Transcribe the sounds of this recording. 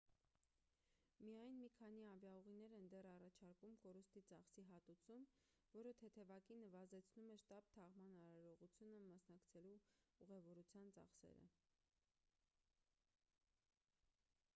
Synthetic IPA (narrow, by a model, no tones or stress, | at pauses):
mijɑjnmikʰɑniɑvjɑuʁinɛɾɛnd̪ɛrɑrɑt͡ʃʰɑɾkumkɔɾust̪it͡sɑχsiɦɑt̪ut͡sʰum | vɔɾət̪ʰɛt̪ʰɛvɑkinːəvɑzɛt͡sʰnumɛʃt̪ɑp̚t̪ʰɑʁmɑnɑɾɑɾɔʁut͡sʰjunəmɑsnɑkt͡sʰɛluuʁɛvɔɾut͡sʰjɑnt͡sɑ̰χsɛ̰ɾə̰